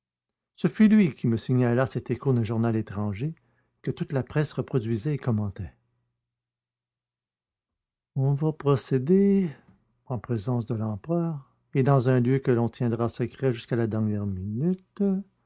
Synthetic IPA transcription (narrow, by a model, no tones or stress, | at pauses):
səfylɥikʲiməsiɲalasɛt̪ekud̪ɛ̃ʒuʁnalet̪ʁɑ̃ʒe | kət̪ut̪lapχɛsʁəpχɔd̪ɥizɛekɔmɑ̃t̪ɛ | ɔ̃vapʁɔsed̪e | ɑ̃pʁezɑ̃s̬d̪əlɑ̃pʁœːʁ | ed̪ɑ̃zɛ̃ljøkəlɔ̃t̪jɛ̃d̪ʁasəkʁɛʒyskalad̪ɛʁnjɛʁminyt̪